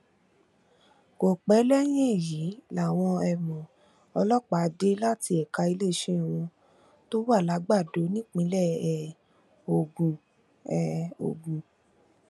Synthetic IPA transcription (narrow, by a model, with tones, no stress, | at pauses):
ko˨k͡pɛ˨˦lɛ˦j̃ɛ̃˦˨ji˨˦la˨w̃ɔ̃˧ɛ˧mɔ̃˨ | ɔ˧lɔ˦k͡pa˨˧˦de˦la˦ti˧ɛ˨ka˧i˧le˦˨ʃẽ˦˨wɔ̃˧ | to˦wa˦˨la˨˦ɡ͡ba˦˨do˨˦nĩ˦k͡pĩ˧˦lɛ˦˨ɛ˨ | o˧˨ɡu˨ | ɛ˨o̰˨ɡu˨